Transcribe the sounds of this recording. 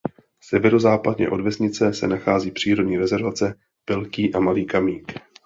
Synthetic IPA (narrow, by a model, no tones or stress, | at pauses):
sɛvɛɾo̞zaːpadɲɛ̰ʔodvɛzɲɪt͡sɛsɛ̰naxaːziːpr̥iːɾo̞dɲiːɾɛzɛɾvat͡sɛ | pɪlkiːʔamaliːkamiːk